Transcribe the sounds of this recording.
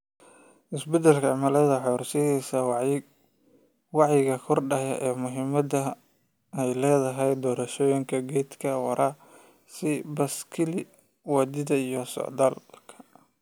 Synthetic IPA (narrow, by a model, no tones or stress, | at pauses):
ʔɪsbɛd̪ɛlkʰɐʕmɐlɐðɐħɔːrsɛhɛsɐ | wɑʕjɪɣɐkʰɔrɖɐjɐ̰ʔɛːmʊɦɪmɐdɐ | ɛjlɛːðɐɦɛjd̪ɔːɾɐʃɔːjɪŋkʰɐɡɛjd̪kʰɐwɐ̰ɾʔaː | sɪbɐskʰɪlɪ | wɑd̪ɪðɐijɔsɔ̰ʕd̪aːlkʰɐ̥